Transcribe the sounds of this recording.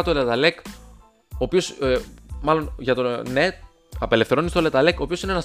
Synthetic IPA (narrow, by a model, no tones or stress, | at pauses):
ɐt̪olet̪ɐlek | oːpios | mɐlo̞nʝɐt̪one | ɐpe̞le̞fθeonist̪olet̪ɐleko̞ːpio̞sinenɐs